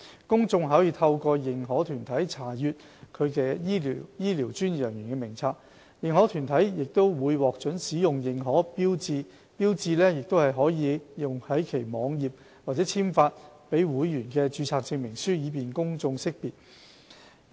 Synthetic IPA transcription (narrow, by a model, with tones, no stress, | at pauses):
kʊ˥ŋt͡sʊ˧ŋɦaː˨˥jiː˨˧t̪ʰɐ˧wkɔː˧jɪ˨˩ŋɦɔː˨˥t̪ʰyː˨˩nt̪ʰɐ˨˥jt͡sʰaː˨˩jyː˨t̚ | kʰɵ˨˧ɥkɛː˧jiː˥˨jiː˥liː˨˩wt͡ʃyː˥njœː˨˩ŋjyː˨˩ŋkɛː˧mɪ˨˩ŋt͡sʰaː˧k̚ | jɪ˨ŋhɔː˨˥t̪ʰyː˨˩nt̪ʰɐ˨˥jjɪ˨k̚t̪o˥wwuː˨˧jwɔː˨k̚t͡ʃɵ˨˥nsiː˨˥jʊ˨ŋjɪ˨ŋɦɔː˨˥piː˥wt͡siː˧ | piː˥wt͡siː˧lɛː˥jɪ˨k̚t̪o˥whɐ˨jɦɔː˨˥jiː˨˧jʊ˨ŋhɐ˨˥jkʰe˨˩jmɔː˨˧ŋjiː˨p̚ | waː˨t̚t͡sɛː˨˥t͡sʰiː˥mfaː˧t̚pe˨˥jwuː˨˥jːyː˨˩nkɛː˧t͡ʃyː˨˧t͡sʰaː˧k̚t͡sɪ˧ŋmɪ˨˩ŋsyː˥jiː˨˧p̬iː˨nkʊ˥ŋt͡sʊ˧ŋsɪ˥k̚piː˨t̚